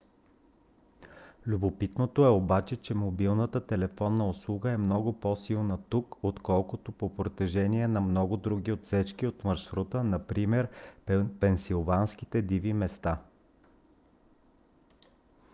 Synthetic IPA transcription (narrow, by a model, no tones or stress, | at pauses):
lʲubopit̪not̪oɛobat͡ʃɛt͡ʃɛmobilˠnət̪ət̪ɛlɛfɔnːəoslˠuɡəɛmnɔɡʊpɔsilˠnət̪ukot̪kɔlˠkʊt̪opopɾot̪ɛʒɛniɛnɐmnɔɡʊd̪ɾuɡʲiot̪sɛt͡ʃkiot̪mɐɾʃɾut̪ənɐpɾimɛɾpɛnsilˠvanskit̪ɛd̪ivimɛst̪a